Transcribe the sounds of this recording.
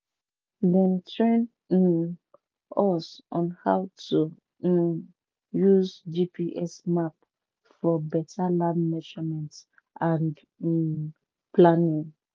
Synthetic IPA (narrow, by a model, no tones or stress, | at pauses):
dɛ̃ntʰɹɛ̃n | ɔsʔɔ̃nhawtʰu | juzd͡ʒipʰiʔɛsmap̚ | fɔbɛtʰalãnmɛd͡ʒəmɛ̃nt | ʔãnd | planĩŋ